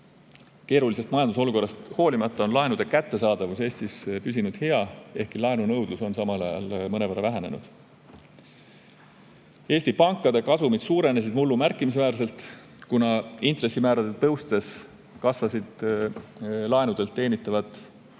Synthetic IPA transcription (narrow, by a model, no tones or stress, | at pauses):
ke̞ːɾulise̞st̪mɑjɑnd̪usoluko̞rːɑst̪ho̞ːlimɑt̪ːˑɑo̞nlɑenud̪̥e̞kæt̪ːe̞s̬ɑːd̪̥ɑvuse̞ːst̪ispys̬ʲinud̪̥he̞ɑe̞hkilɑenunɤwd̪̥luso̞nsɑmɑlɑ̰jɑ̰lmɤne̞væɾɑvæɦene̞nṵd̪̥ | e̞ːsʲt̪ipɑŋkːˑɑd̪̥e̞kɑsumid̪̥suːɾe̞nes̬id̪mulːumærkːˑimis̬væːɾs̬e̞lt̪ | kunɑint̪re̞sːimæːɾɑd̪̥et̪ːɤwst̪t̪e̞s | kɑsvɑsid̪̥ | lɑenud̪̥e̞lt̪ːeːnʲit̪ːˑɑvɑt̪ˑː